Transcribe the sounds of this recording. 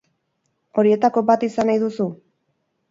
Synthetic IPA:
o̞ɾie̞t̪ako̞bat̪isanajðusu

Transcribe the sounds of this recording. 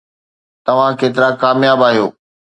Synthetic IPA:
t̪ɐʋ̤ãkeːt̪ɪɾakaːmjaːbaːɦijoː

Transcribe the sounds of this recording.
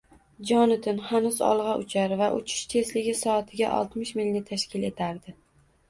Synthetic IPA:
d͡ʒɒnɪt̪ʰɪnhanʊzɒ̰lˠʁɑʔʊt͡ʃʰaɾvaʔʊt͡ʃʰɪ̥ʃt̪ʰe̞slɪɡʲɪsɒːt̪ʰɪɡʲa̰ʔɒ̰lˠt̪mɪʃmɪlnɪt̪ʰaʃkʲʰɪle̞t̪ʰaɾd̪ɪ

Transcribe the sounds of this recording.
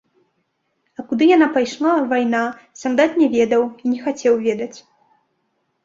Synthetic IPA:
ɐkud̪ɨjanapajʂlˠavajna | sʲand̪at̪nʲɛvʲɛd̪ɐwinʲɛxat͡sʲɛwvʲɛd̪ɐt͡sʲ

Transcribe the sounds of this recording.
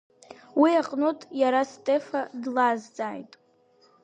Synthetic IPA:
wiaqʼnotʼjaɾastʼe̞fadlazd͡zaːjtʼ

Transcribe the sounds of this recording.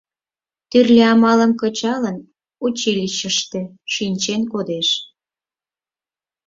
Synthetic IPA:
t̪yrlʲeɑmɑləmkət͡ɕɑlən | ut͡ɕiliɕəʃt̪ĕ | ʃinʲt͡ɕenkod̪eʃ

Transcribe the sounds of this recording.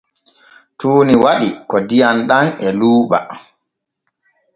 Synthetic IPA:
tuːniwaɗikɔdijanɗanɛluːɓa̰

